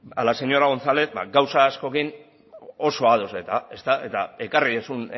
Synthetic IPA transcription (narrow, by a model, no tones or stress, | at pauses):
a̰lase̞ɲo̞ɾaɣ̞o̞nt͡sale̞t̪̚ba̰ɡawsaːsko̞kin | o̞so̞að̞o̞set̪ae̞st̪ae̞t̪ae̞kariðesun